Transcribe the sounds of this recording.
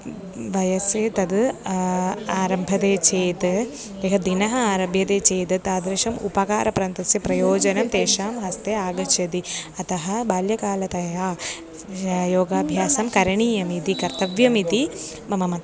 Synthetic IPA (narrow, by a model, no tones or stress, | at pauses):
ʋɐjɐseːt̪ɐd̪ | aːɾɐmbʱɐd̪eːt͡ʃeːt̪ | eːɦɐd̪inɐɦɐaːɾɐbjɐd̪eːt͡ʃeːt̪ɐt̪aːd̪ɾɐʃɐmṵpɐka̰ːɾɐpɾaːnt̪ɐsjɐpɾɐjoːd͡ʒɐnɐmt̪eːʃaːmɦɐst̪eːaːɡɐt͡ʃɐd̪iɐt̪ɐɦɐbaːljɐkaːlɐt̪ɐjaː | joːɡaːbʱjaːsɐmkɐɾɐɳiːjɐmit̪ikɐɾt̪ɐʋjɐmit̪i | mɐmɐmɐt̪